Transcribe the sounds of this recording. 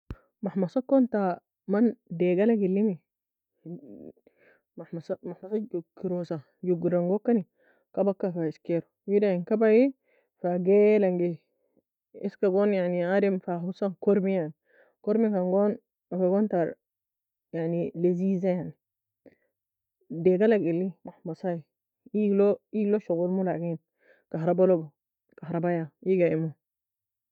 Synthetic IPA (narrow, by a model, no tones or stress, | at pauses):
maħmasakːont̪a | mandeɡalaɡilːimi | mamasamaħmasajukːiɾosa | juɡiɾaŋɡokːani | kabakːafaiskeɾuwidainkabai | faɡelaŋɡe | iskaɡonjaʕniaɾimfaɦusankoɾmijaʕni | koɾmikaŋɡon | afaɡontaɾ | jaʕnilezizajaʕni | deɡalaɡilːimaħmasaj | iloiloʃoɡulmulaɡin | kaɦɾabalobo | kaɦɾabajajiɡaimu